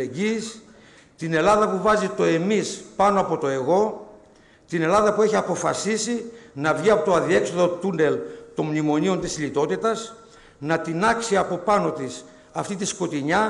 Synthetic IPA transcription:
eɟis | t̪ine̞lɐðɐpuvɐzit̪o̞e̞mispɐnoɐpo̞t̪o̞e̞ɣo̞ | t̪ine̞lɐðɐpue̞çiɐpo̞fɐ̰sisinɐvʝiɐpo̞t̪oɐðie̞kso̞ðo̞t̪une̞lt̪o̞mmnimo̞nio̞nt̪isʎit̪o̞t̪it̪ɐs | nɐt̪inɐksiɐpo̞pɐno̞t̪is | ɐft̪it̪isko̞t̪iɲɐ

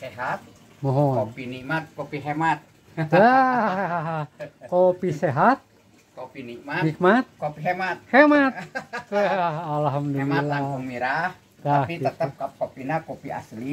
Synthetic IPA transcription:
seɦat̪̚ | moɦɔonpinimat̪̚kopiɦemat̪̚ | da | ɦkopiseɦat̪̚ | kopinikmanik̚mat̪̚kopiɦemat̪̚hɛmat | alɦamdulialːaumiɾah | d̪aapit̪ət̪əp̚kap̚kopinakopia̰sli

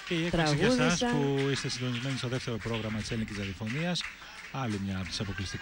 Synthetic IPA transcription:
ceiekt̪siɣusɐspuist̪e̞sind̪o̞nizme̞nist̪o̞ðeft̪e̞ɾo̞pɾo̞ɣɾɐmɐt̪iselincisɐðiofo̞niɐs | ɐlimɲɐːpt̪isɐpo̞klist̪ik

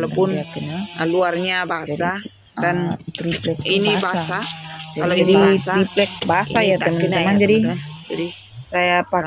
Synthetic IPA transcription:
lapʊnjak̪ənaluarɲabaasa | kant̪ɾiplɛk̚inibaasa | aad͡ʒadisaɾiplɛk̚baasajat̪əmanəmand͡ʒadia | d͡ʒadi | sajapa

